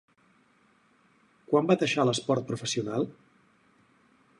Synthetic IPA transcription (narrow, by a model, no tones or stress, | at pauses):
kwambad̪əʃaləspɔɾt̪̚pɾufəsiunalˠ